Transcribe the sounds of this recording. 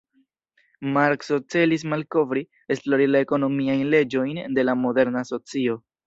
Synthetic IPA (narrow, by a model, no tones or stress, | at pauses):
maɾksot͡se̞lis̬malko̞vɾi | e̞splo̞ɾilaeko̞no̞miajnle̞d͡ʒo̞jnde̞lamo̞de̞ɾnaso̞t͡sio̞